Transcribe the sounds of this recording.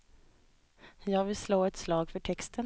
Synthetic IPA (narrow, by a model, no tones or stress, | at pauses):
jɑːɡvɪlsloːɛt̪slɑːɡfœʈʰɛkst̪ʰən